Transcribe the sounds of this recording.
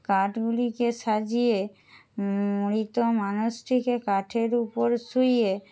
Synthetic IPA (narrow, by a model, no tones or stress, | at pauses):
kaʈɡulikeʃad͡ʑije | muɾit̪omanuʃʈʰikekaʈʰeɾupoɾsuje